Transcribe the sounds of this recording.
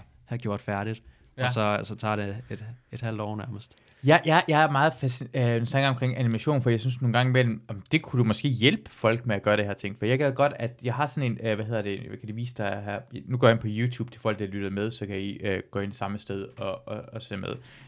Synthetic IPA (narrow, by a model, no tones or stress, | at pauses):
hæɡ̥jo̝ɐ̰d̥fæɐɾ̥id̥ | ɒsɒsɒt͡sʰɑ̰̈ɾ̥eed̥ed̥hæl̰d̥ɒ̰ːnæɐməsd̥jɑ̈ɪjɑ̈ɪjɑ̈ɪæɐmɑ̈ːð̞̩ˠfæsiøsɑŋɒ̽mkʰʁeŋænimæɕo̝̰ːnfɒjɑ̈ɪsynsno̝ːn̩ɡɑ̈ŋəmel̰m̩ɒmd̥e̝kʰuɾ̥umɒ̽sɡ̥e̝̰ːjelb̥ə̥fɒ̽l̰ɡ̥meæɡ̥ɶːɐɾ̥ehɛɐ̰t͡sʰe̝ŋ̰̥fɒjɑ̈ɡ̥eðˠɡ̥ɒ̽d̥æd̥jɑ̈ɪɦɑ̈sɒ̽ne̝nʋæhe̝ð̞̰ˠɐd̥e̝kʰæd̥uʋḭːsəd̥ɑɦæɐ̰nuɡ̥ɔ̰ːjenpʰɒ̽juːt͡sʰṵːb̥t͡sʰe̥fɔːɒl̰d̥ɑlyɾ̥ð̩ˠmeð̞ˠsɒ̽kʰæiøɡ̥ɔ̰ːe̝nsɑ̈məsd̥eð̞ˠɒ̽ɒɒsemeð̞ˠ